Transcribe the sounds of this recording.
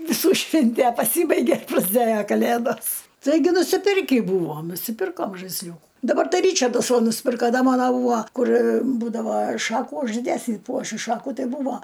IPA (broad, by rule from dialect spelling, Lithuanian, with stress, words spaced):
ʋʲɪˈsuː ˈʃʲʋʲɪnʲtʲæ pɐˈsʲiːbɐɪɡʲeː prɐzʲˈdʲeːjɛ kɐˈlʲeːdoːs ˈtɐɪɡʲɪ nʊsʲɪˈpʲɪrʲkʲiː ˈbuːʋoːm nʊsʲɪˈpʲɪrkoːm ʒɐɪsʲˈlʲuːkʊ dɐˈbɐr ˈtɐɪ ˈrʲiːt͡ʃɐrdɐs ˈʋɐ nʊsʲˈpʲɪrkɐ ˈdɐ ˈmɑːnoː ˈbuːɐ ˈkʊr ˈbuːdɐʋɐ ˈʃɑːkuː ʊʒʲdʲɛsʲɪ ˈpuɔʃʲʊ ˈʃɑːkuː ˈtɐɪ ˈbuːʋoː